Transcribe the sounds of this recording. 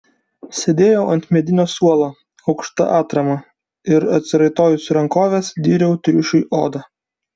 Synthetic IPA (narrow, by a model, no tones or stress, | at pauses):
sʲed̪ʲeːjoːʔɐnʲt̪ʲmʲɛd̪ʲɪnʲoːsuɔlˠoː | ɐʊkʃt̪ɐ̰ʔɑːt̪ɾɐmɐ | ɪɾɐt̪ʲsʲɪɾɐɪt̪oːjʊsɾɐŋkoːʋʲeːsd̪ʲiːɾʲɛʊt̪ʲɾʲʊʃʲʊjʔo̰ːd̪ɐ